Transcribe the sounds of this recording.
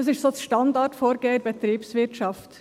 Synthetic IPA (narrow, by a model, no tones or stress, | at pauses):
ɑsɪʃtsosʃtɑndɑɾtfoːɾɡeːəɾbɛt̪ɾiːpsvɪtʃɑft̪